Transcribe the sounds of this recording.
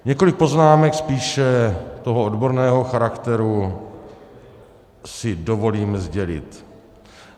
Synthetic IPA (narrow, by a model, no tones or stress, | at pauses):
ɲɛko̞lɪk̚po̞znaːmɛkspiːʃɛt̪o̞ɦoodbo̞ɾnɛːɦo̞xaɾakt̪ɛɾu | sɪdo̞vo̞liːmzɟɛlɪ̰t̪